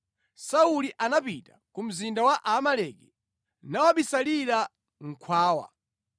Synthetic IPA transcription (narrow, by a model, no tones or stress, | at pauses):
sauliʔanapitakum̩zindawaʔamalɛkɛ | nawaɓisaliɾa | ŋ̩kʰwaːwa̰